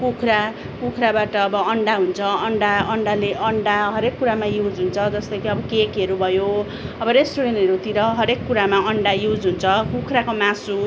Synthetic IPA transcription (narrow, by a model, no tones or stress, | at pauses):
kukʰɾa | kukʰɾabaʈʌːbʌʌɳɖaɦunt͡sʰʌʌɳɖaʌɳɖaleʔʌɳɖaɦʌɾekːuɾamajud͡zɦunt͡sʰʌd͡zʌst̪ʌkiʌbʌkekɦeɾubʱʌjo | ʌbʌɾesʈuɾenʈɦʌɾut̪iɾʌɦʌɾekːuɾamaʌɳɖajud͡zɦunt͡sʰʌkukʰɾakomãsu